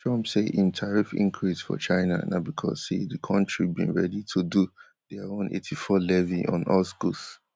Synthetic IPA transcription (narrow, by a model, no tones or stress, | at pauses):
tɹɔ̃mpseʔĩmtʰaɹifḭ̃ŋkʰɹisfɔ̰t͡ʃaɪna̰na̰bikʰɔ̰zsḛðəkʰɔ̃ntɹibḭ̃nɹɛditʰudu | ðɛaõnʔḛtʰifɔlɛviɔ̰̃nɔlskus